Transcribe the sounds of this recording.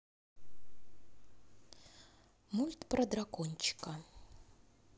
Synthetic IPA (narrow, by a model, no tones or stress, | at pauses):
mulʲt̪pɾɐd̪ɾakɔnʲt͡ɕɪ̥kɐ